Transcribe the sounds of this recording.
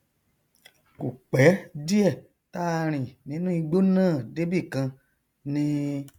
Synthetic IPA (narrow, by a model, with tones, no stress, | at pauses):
ku˨k͡pɛ˨˦di˦ɛ˦˨ | ta˦˧ɾ̃ĩ˨nĩ˨˦nũ˦i˧ɡ͡bo˦nãː˦˨de˦bi˦˨kã˧ | nĩ˧